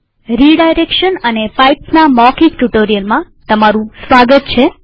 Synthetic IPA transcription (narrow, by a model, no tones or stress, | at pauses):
ɾiɖajɾekʃənənepajpnamɔkikʈuʈoɾijəlmã | t̪əmaɾũsʋaɡət̪̚t͡ʃʰe